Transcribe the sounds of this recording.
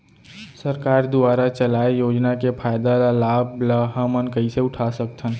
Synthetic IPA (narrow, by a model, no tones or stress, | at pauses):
səɾkaːɾd̪ʊaːɾat͡ʃəlaːejoːd͡ʒnakepʰaːjd̪alalaːbləɦamənkəiseʊʈʰasəkt̪ʰən